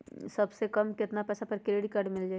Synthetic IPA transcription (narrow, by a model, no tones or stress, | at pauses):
sɐbsekɐmkɪt̪napɛːsapɐɾkɪleːɽikaɾɖmɪld͡ʒaː